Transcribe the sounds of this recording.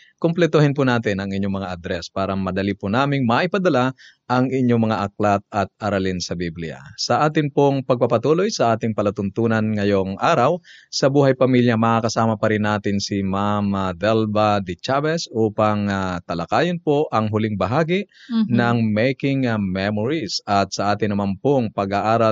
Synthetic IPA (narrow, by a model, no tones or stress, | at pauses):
komplɛt̪ohɪnpʊnaːt̪ɪnɐŋɪɲːoŋmɐŋaʔɐd̪ɾɛspaːɾɐmɐd̪ɐlipʊnaːmɪŋmɐʔɪpɐd̪ɐla | ʔɐŋɪɲːoŋmɐŋaʔɐklat̪̚ɐt̪̚ɐɾɐlɪnsɐbiblɪ̰ja̰sɐʔaːt̪ɪnpoŋpɐɡ̚pɐpɐt̪uːlojsɐʔaːt̪ɪŋpɐlɐt̪ʊnt̪uːnɐnŋɐjoŋʔaːɾɐwsɐbuːɦɐjpɐmiljɐmɐakɐsaːmɐpɐɾɪnːaːt̪ɪnsimamad̪ɛlbad̪ɪt͡ʃabɛsʔuːpɐŋat̪ɐlɐkaːjonpoʔɐŋɦʊlɪŋbɐɦaːɡinɐŋmɛjkɪŋmɛmoɹisɐt̪̚sɐʔaːt̪ɪŋnɐmanpoŋpɐɡaʔaːɾɐ